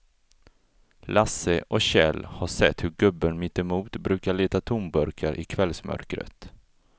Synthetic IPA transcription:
lʔasəʔɔɕɛ̰lhaʂɛt̪ːhɵɾɡɵbːənmɪt̪ːɛmuːt̪bɾʉ̟ːkaɭeːt̪at̪ʰʊmbœɾkʰaɾʔɪkʰvɛlsmœ̰ɾkɾə̰t̪

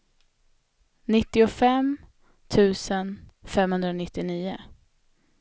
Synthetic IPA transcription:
nɪt̪ːɪʊfɛm | t̪ʰʉ̟ːsənfɛmhɵnd̪ɾanɪt̪ːɪniːʊ

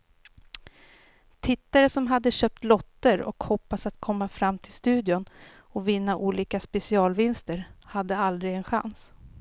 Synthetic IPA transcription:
t̪ʰɪt̪ːaɾəsɔmɦad̪ːəɕøːp̚t̪lɔt̪ːəɾɔ̰khɔpːasat̪kʰɔmːafɾamːt̪ʰɪlst̪ʉ̟ːd̪ɪʊn | ɔvɪnːaʔuːliːkaspɛsɪɑːlvɪnst̪əɾhad̪ːəald̪ɾɪɡɛnɧa̰ns

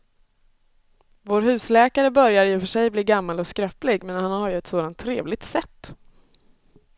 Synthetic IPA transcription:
voːɾɦʉ̟ːslɛːkaɾəbœɾjaɾjɵfœʂɛjbliːɡamːalɔskɾœːplɪɡmɛnhanhaɾjɵɛt̪soːd̪ant̪ʰːɾeːvlɪɡ̚t̪sɛt̪ː

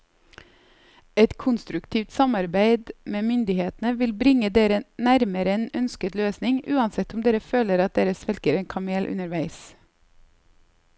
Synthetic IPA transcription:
ɛt̪kʰʊnst̪ɾʉkt̪ʰiːʋt̪sɑmɑɾbæɪd̪meːmʏnd̪ɪheːt̪nəʋɪlbɾɪŋəd̪eːɾənæɾməɾəenœnskət̪løːsnɪŋʉːɑnsɛt̪ʊmd̪eːɾəføːləɾɑt̪̚d̪eːɾəsʋɛlkəɾeːnkʰɑmeːlʔʉ̰nəɾʋæɪs

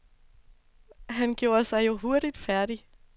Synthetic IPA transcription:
ɦænɡ̥jo̝ːɐsɑ̈ɪjo̝ɦo̝ɐɾ̥id̥fæɐɾ̥i

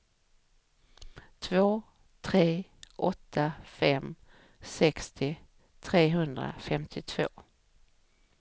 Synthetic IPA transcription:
t̪ʰvoː | t̪ʰɾeːʔɔt̪ʰːafɛm | sɛkst̪ʰɪ | t̪ʰɾeːɦɵnd̪ɾa̰fɛmt̪ʰɪt̪ʰv̥o̰ː

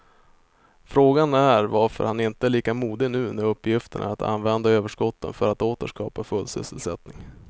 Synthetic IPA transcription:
fɾoːɡanæɾvaɾfœ̰ɾhanɪnt̪əæɭiːkamuːd̪ɪnʉ̟ːnɛɵpːjɪft̪əɳa̰at̪ʰa̰nːvɛnd̪aøːvəʂkɔt̪ʰːə̰nfœɾat̪oːt̪əʂkɑ̰ːpafɵlsʏ̰səlsɛ̰t̪nɪŋ

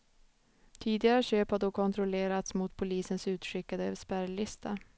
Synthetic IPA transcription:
t̪ʰiːd̪ɪɡaɾəɕøːphad̪oːkʰɔnt̪ʰɾʊleːɾat̪smʊt̪pʰʊliːsənsʉ̟ːt̪ɧʏkːad̪əspæɾlɪst̪ʰa

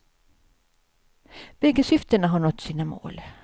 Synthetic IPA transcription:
b̥ɛɡəsʏft̪ənaɦaɳɔt̪ːsiːnamo̰ːl

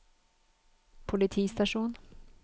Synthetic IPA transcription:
pʰʊlɪt̪ʰiːst̪aʂuːn

